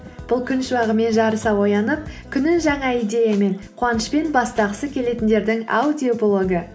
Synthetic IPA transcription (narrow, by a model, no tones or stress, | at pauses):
b̥ʊlˠkʲʰʏnʃəwɑʁəme̞nʒɑɾəsɑwo̞jɑnəp̚kʲʰʏnɪʒɑɴɑijd̪ʲe̞jame̞ɴqʰwɑnəʃpe̞nbɑst̪ɑʁəsəkʲʰe̞le̞t̪ɪnd̪e̞ɾd̪ɪŋa̰wd̪ʲiopolˠo̞ɡə